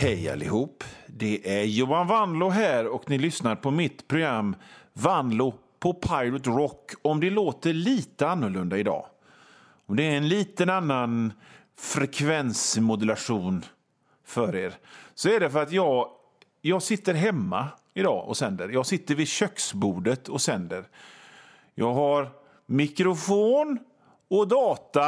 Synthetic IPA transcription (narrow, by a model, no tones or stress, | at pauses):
hɛja̰lːɪ̰ɦuːpːd̪ɛʔæɾjuːanvand̪lʊɦæːɾɔknɪlʏsnaɾpʰɔmɪt̪pʰɾʊɡɾamːvand̪lʊ | pʰɔpʰaɪɾʊt̪ɾɔkːɔmd̪ɛloːt̪əɭiːt̪əanːɵɭɵnd̪aɪd̪ɑ̰ː | ɔmd̪ɛːɾɛnliːt̪ənanːan | fɾɛkʰvɛnsmʊd̪ɛlaʂuːn | fœɾeːɾsɔɛɖɛfœɾat̪jɑːɡ | jɑːɡsɪt̪ːəɾɦɛmːa̰ | ɪd̪ɑ̰ːʔɔ̰sɛnd̪əɾjɑːɡsɪt̪ːəɾvɪd̪ɕœksbuːɖət̪ʰɔsɛnd̪əɾ | jʔɑːɡɦaɾ | mɪkɾʊfoːn | ɔd̪ɑːt̪a